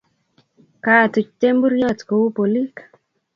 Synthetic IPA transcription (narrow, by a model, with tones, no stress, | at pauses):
ka˨tu˨t͡ʃ̚te˦m˦bu˦ɾjɔ˦˨tko˨wu˦po˨li˦k